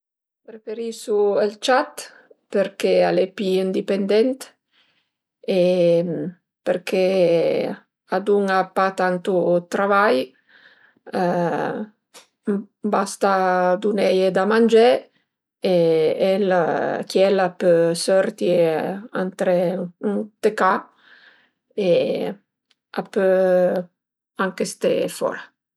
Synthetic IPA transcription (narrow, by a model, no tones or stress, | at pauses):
pɾefeɾisuelt͡ʃat̪ | peɾkealepiind̪ipend̪ɛnt̪ | e | peɾkʰe | ad̪uŋapat̪ant̪ut̪ɾavaj | bast̪ad̪unɛjed̪amand͡ʒe | eɛlkjɛlapøsœɾt̪ia̰nt̪ɾeunt̪eka | e | apø | aŋkest̪ḛfɔ̰ɾa